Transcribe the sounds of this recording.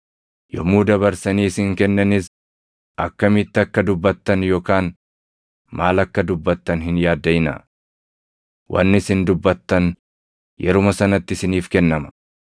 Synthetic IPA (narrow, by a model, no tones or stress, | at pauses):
jɔ̰muːd̪ɐβɐɾsɐniːsɪŋkɛnːɐnɪs | ʔɐkːɐmɪt̪ːɪɐkːɐd̪ʊbːɐt̪ːɐnjoːkaːn | maːlɐkːɐd̪ʊbːɐt̪ːɐnhɪnjaːd̪ːɐɪnɐ̰ | wʔɐ̰nːɪsɪnd̪ʊbːɐt̪ːɐn | jʔɛɾʊmɐsɐnɐt̪ːɪsɪniːfkɛnːɐmɐ̥